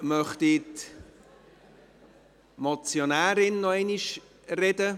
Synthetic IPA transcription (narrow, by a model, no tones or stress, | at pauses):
mœχtɪt | mɔt͡sjonæːɾɪnːɔɛniʃ | rɛdə